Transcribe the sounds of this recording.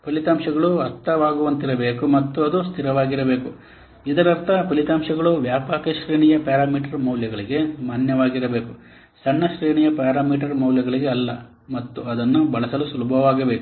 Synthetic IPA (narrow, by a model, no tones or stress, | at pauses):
pɐlit̪aːmʃɐɡɐɭuɐɾt̪ːɐʋaːɡuʋɐnt̪iɾɐbe̞ːkumɐt̪ːuɐd̪ust̪ʰiɾɐʋaːɡiɾɐbe̞ːku | id̪ɐɾɐɾt̪ʰɐpɐlit̪aːmʃɐɡɐɭuʋjaːpaːkɐʃɾeːɳijɐpaːɾaːmiːʈɐɾmɐwljɐɡɐɭiɡe̞maːnjɐʋaːɡiɾɐbe̞ːku | sɐɳːɐʃɾeːɳijɐpaːɾaːmiːʈ̬ɐɾmɐwljɐɡɐɭiɡe̞ɐlːɐ | mɐt̪ːuɐd̪ɐnːubɐɭɐsɐlusulubʱɐʋaːɡɐbe̞ːku̥